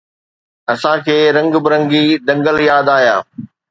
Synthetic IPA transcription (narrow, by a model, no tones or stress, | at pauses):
ɐsãkʰeːɾɐ̃ŋɡbɪɾɐ̃ŋɡid̪ɐ̃ŋɡəljaːd̪aːijaː